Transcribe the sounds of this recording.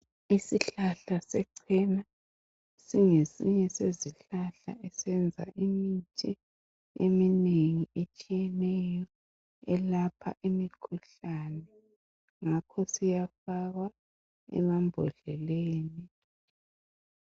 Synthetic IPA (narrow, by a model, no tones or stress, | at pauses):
isiɬaɬasɛǀʰɛna | siŋesiɲɛseziɬaɬa̰ʔɛsɛnd͡zʱa̰ʔimitʰʼi | ḛmineŋiet͡ʃʼijɛnɛjɔ | ɛlapʰa̰ʔimikʰuɬanɛ | ŋakʰɔsijafaɣwa | ɛ̰mambʱɔɮɛleːni